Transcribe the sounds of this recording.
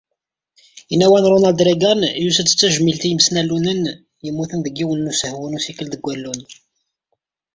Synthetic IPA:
inːæwænɾˤonæld̪ɾeɡænjusəd̪ət͡sːæʒmilt̪ijəmsnælːunən | jəmːuθənðəɡːiwənːusəhwunusikəlðəɡʷːælːun

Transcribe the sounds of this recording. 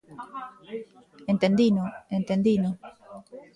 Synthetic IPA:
ent̪end̪inoent̪end̪ino

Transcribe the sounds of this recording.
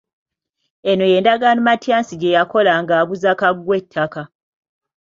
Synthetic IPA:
eno̞je̞ːndaɡanumatjaːnsiɟejako̞laŋɡaːβuzakaɡwe̞tʰːaka

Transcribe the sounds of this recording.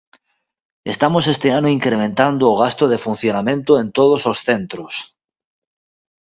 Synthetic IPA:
est̪amo̞se̞st̪eanoiŋkɾemẽnt̪and̪oːɣ̞ast̪oð̞e̞fun̟θjonamẽ̞nt̪oe̞nt̪oðososθe̞nt̪ɾos

